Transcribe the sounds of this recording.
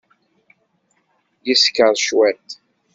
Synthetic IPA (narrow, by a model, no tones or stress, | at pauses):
jiskːəɾˤʃwæt̪